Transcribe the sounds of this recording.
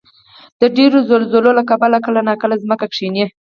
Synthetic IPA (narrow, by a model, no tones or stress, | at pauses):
d̪̥əɖeɾozolzololakabalakəlanɑkəlazməkakʂine